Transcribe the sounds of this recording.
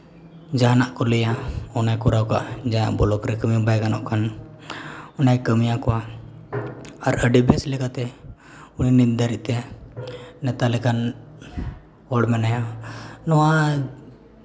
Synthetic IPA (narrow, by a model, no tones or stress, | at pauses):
d͡ʒanaʔkɔlɛjaɔnajkɔɾawkaʔd͡ʒaa̰ʔbɔlɔkɾɛkəmijɔbajɡanɔ̰ʔkʰan | ɔnajkəmijakɔwa | aɾəɖibɛslɛkat̪ɛ | uninind̪aɾiʔt̪ɛ | nɛt̪alɛkan | ɔɽmɛnajɔnɔwa